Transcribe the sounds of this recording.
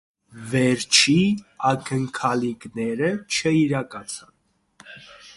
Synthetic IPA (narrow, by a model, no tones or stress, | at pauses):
vɛɾt͡ʃʰiɑkəŋkʰɑliknɛɾət͡ʃʰəiɾɑkɑt͡sʰɑn